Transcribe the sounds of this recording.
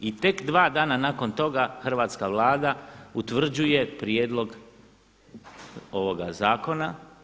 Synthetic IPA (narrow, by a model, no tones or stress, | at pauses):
it̪e̞kd̪ʋaːd̪aːnanaːko̞nt̪o̞ɡaxr̩ʋaːt̪skaʋlˠaːd̪aut̪ʋr̩d͡ʑuje̞pɾjeːd̪lˠo̞ɡ | o̞ʋo̞ɡazaːko̞na